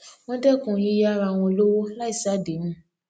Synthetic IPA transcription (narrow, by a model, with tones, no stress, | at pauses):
wɔ̃˦dɛ˦˨kũ˨jĩ˧˦ja˦˨ɾa˧w̃ɔ̃˧lo˦wo˦la˦i˦˨sa˦˨de˨˦mũ˦